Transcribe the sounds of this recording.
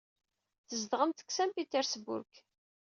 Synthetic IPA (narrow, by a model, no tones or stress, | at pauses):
θəzd̪ʁəmt̪ə̥ksæmpit̪əɾsbʊ̰ɾk